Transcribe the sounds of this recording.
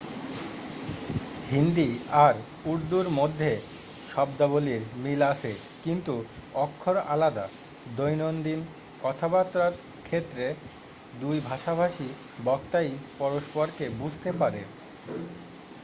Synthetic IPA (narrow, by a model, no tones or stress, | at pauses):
ɦind̪iaɾ | uɾd̪uɾmod̪ʱːe | ʃɔbd̪aboliɾmilaʃʰe | kint̪uɔkʰːoɾalad̪a | d̪ojnond̪in | kɔt̪ʰabat̪ːɾat̪ | kʰet̪ːɾe | d̪ujbʱaʃabʱaʃi | bɔk̚t̪ajpɔɾoʃpoɾkebud͡ʑʱt̪epaɾḛ